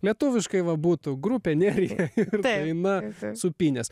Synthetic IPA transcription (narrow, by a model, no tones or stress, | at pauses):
lʲiɛt̪uːʋʲɪʃkɐɪʋɐbuːt̪ʊɡɾuːpʲɛnʲɛːɾʲɪɛɪrt̪d̪ɐɪnɐsʊpʲiːnʲɛs